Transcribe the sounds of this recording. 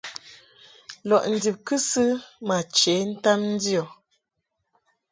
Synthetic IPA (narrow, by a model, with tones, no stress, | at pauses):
lɔ˨ʔn̩˨di˨p̚kɨ˦sɨ˦ma˨t͡ʃe˨˦n̩˦ta˦mn̩˦di˦ɔ˨